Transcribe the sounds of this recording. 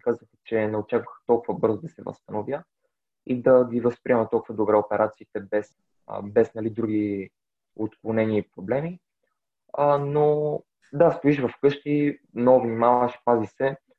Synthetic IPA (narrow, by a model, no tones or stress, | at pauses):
kazəxɛ̥t͡ʃɛnɛot͡ʃakvəxt̪ɔlˠkʊvəbɤɾzod̪ɐsɛvə̰st̪ɐnovʲjə | id̪ɐɡ̪ʲivɐspɾiɛmət̪ɔlˠkʊuvəd̪obɾɛopɛɾat̪siːt̪ɛbɛs | bɛsnɐlid̪ɾuɡ̟i | ot̪klˠonɛniːpɾoblɛmi | əno | d̪ast̪oiʃvɐfkɤʃk̪i | mnɔvnimavəʃpazisɛ